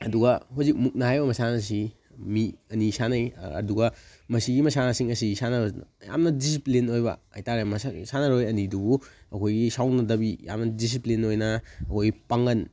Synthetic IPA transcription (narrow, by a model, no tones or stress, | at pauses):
ɐduɡɐɦuzik̚muk̚nɐɦajbɐmɐsanɐs̬i | miɐnisanɐjɐ̰duɡɐ | mɐsiɡimɐsanɐsiŋɐsisanɐja̰mnɐdis̬iplinojbɐ̰ajtaɾemɐsasanɐɾojɐnidubuɐkʰojɡisawnɐdɐbija̰mnɐdis̬iplinojnɐɐkʰojɡipaŋɡɐn